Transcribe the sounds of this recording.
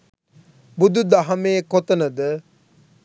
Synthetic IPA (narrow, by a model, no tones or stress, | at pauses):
bud̪ud̪ɐɦɐmeːkot̪ənəd̪ə